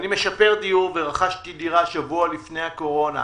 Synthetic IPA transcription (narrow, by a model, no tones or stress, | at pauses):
nime̞ʃape̞ʁdijuʁve̞ʁaχaʃtidiʁaʃavualifne̞jhako̞ʁo̞na̰